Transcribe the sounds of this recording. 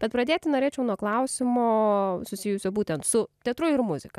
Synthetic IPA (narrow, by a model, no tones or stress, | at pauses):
b̥ʲɛt̪̚pɾɐd̪ʲeːt̪ʲɪnoːɾʲeːt͡ʃʲɛʊnuɔklˠɐʊsʲɪmoːsʊsʲɪjʊsʲoːbuːt̪ʲɛnt̪sʊt̪ʲɛt̪ɾʊɪɾmʊzʲɪkɐ